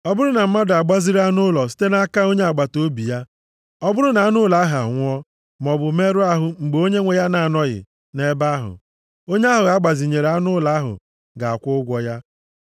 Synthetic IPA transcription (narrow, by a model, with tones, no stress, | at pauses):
ɔ˦bʊ˦ɾʊ˦na˨m̩˦ma˦da˨ɡ͡ba˦zi˦ɾa˦nʊ˦lɔ˨si̥˦te˦na˦ka˦o˦ɲe˦a˨ɡ͡ba˨to˦bi˨ja˦ | ɔ˦bʊ˦ɾʊ˦na˨a˦nʊ˦la˨˦ɦa˨ŋʷɔ˦ | mɔ˨bʊ˨me˦ɾʊ˦a˦ɦʊ˨ŋ͡m̩˨ɡ͡be˨o˦ɲe˦ŋʷe˨ja˦na˨a˨nɔ˦ɣɪ̰˨ | ne˦ba˦ɦʊ̰˨ | o˦ɲe˦a˦ɦʊ˨ɣa˨˦ɡ͡ba˨zi˨ɲe˨ɾa˦nʊ˦la˨˦ɦʊ̰˨ | ɡa˨a˨kʷʊ˦ɡʷɔ˦ja˦